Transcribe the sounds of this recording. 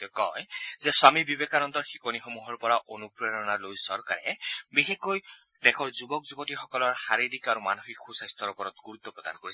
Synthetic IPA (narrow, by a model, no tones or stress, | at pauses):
tkɔjzɛswamibibekanɔnt̪ɔɹxi̥konixomuɦɔɹpɔɹaʔonupɹeɹɔnalojsɔɹka̰ɹɛ̰bixekːoj | dekʰɔɹzubɔkzubɔtixɔkɔlɔɹxaɾiɾikaɾumanoxikxusajst̪ʰɔɹupɔɾɔt̪ɡuɾut̪ːɔpɹɔd̪a̰nkoɹisʰ